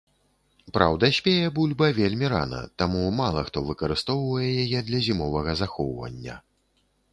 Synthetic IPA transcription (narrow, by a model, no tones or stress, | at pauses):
pɾa̰wd̪ɐsʲpʲejɛbulʲbɐvʲelʲmʲiɾa̰nɐ̰t̪amumalˠɐxt̪ɔvɨkɐɾɨst̪ɔwvɐjɛjajɛd̪lʲɐzʲimɔvɐɣɐzaxɔwvɐ̰nʲːɐ̰